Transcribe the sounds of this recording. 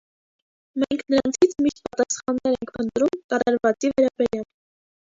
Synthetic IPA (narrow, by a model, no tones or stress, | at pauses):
mɛŋkʰnəɾɑnt͡sʰit͡sʰmiʃt̪̚pɑt̪ɑsχɑnːɛɾɛŋkʰpənt̪ɾumkɑɾɑɾvɑt͡sivɛɾɑbɛɾjɑl